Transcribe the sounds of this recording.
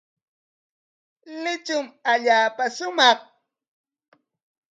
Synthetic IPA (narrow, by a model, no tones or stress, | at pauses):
lɪt͡ʃʊmaʎaːpaʃʊmɑχ